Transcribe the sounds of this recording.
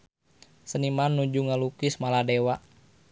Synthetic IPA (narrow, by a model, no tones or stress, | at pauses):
sənimanːud͡ʒuŋalukismaladewaʔ